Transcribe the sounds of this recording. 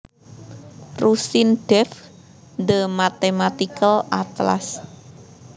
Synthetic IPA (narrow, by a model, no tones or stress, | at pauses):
rusinɖ̥ɛf | nd̪əmat̪emat̪ikəlat̪la̰s